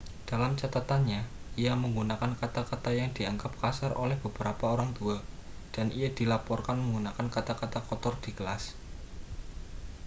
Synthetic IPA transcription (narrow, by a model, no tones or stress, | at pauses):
d̥alamt͡ʃat̪at̪anɲa | ijaməŋɡunakankat̪akat̪ajaŋd̪̥iaŋɡap̚kasarʔolɛhb̥ə̤b̥əɾapaoɾaŋt̪ua | d̥anʔijad̪̥ilapɔrkanməŋɡunakankat̪akat̪akɔt̪ɔrd̪̥ikəlas